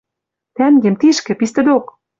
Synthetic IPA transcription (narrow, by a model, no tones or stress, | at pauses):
t̪æŋɡĕmt̪iʃkɘ̆pist̪ɘ̆d̪ok